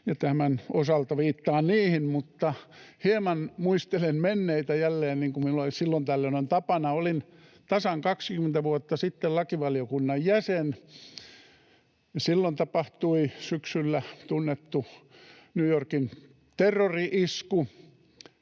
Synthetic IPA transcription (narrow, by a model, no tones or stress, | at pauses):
jɑt̪æhmænosɑlt̪ɑʋiːt̪ːɑːnniːhimmut̪ːɑhiemɑnmuist̪elenmenːeit̪æjælːeːnniːŋkumminulolissilːont̪ælːenont̪ɑpɑnɑolin | t̪ɑsɑŋkɑkskyment̪æʋuot̪ːɑsit̪ːelɑkiʋɑliokunːɑjjæsen | jɑsilːont̪ɑpɑht̪uisyksylːæt̪unːet̪ːu | nuːjorkin | t̪erːoriʔisku